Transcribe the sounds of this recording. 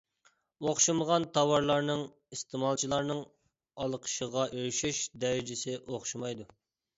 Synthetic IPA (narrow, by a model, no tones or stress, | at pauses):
oχʃuməʁɑnt̪ʰɑwɑɾlˠɑɾnɨŋ | ist̪ʰɪmɑlˠt͡ʃʰilˠɑɾnɨŋ | ɑlˠəqʰə̥ʃəʁɑʔøɾʃiʃd̪ɛɾɪd͡ʒɪsɪʔoχʃumɑjd̪u